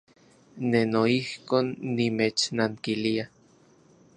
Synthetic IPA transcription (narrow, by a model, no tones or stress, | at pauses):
nenoihkoːnːimet͡ʃnaŋkilia